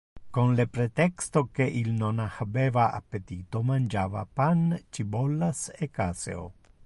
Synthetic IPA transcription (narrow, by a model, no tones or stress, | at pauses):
konlepɾet̪ekst̪okeʔilnonahabevaʔa̰pːet̪it̪omand͡ʒava̰pant͡ʃibolːasekasḛo̰